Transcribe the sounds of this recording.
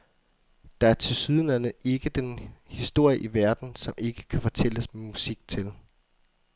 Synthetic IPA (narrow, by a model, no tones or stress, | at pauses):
d̥ɑ̈æɐt͡sʰe̝lsyð̞ˠnænəʔe̝ɡ̥əd̥enhisd̥o̝ɐ̰jəʔiʋæɐd̥n̩sɒ̽mʔe̝ɡ̥ə̥kʰæfɒ̽t͡sʰel̰əsmemusiɡ̥̚t͡sʰe̝l